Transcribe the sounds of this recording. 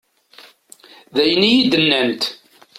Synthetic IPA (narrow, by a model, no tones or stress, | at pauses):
ðæjnijid̪ənːænt̪